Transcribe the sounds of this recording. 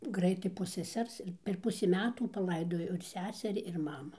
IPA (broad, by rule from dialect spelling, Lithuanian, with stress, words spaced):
ˈɡrɐɪtɐɪ poː sʲɛˈsʲɛrs ɪr pʲɛr ˈpʊsʲiː ˈmʲæːtuː pɐˈlˠɐɪdoːjoː ɪr ˈsʲæːsʲɛrʲɪ ɪr ˈmɑːmʊ